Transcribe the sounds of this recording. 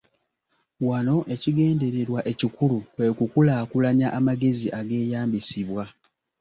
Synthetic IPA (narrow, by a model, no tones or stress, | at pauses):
wano̞ʔe̞ciɡe̞ːnde̞ɾe̞ɾwaʔe̞cikulukwe̞ːkukulaːkulaɲaʔamaɡe̞ziʔaɡe̞ːjaːmbisiβwa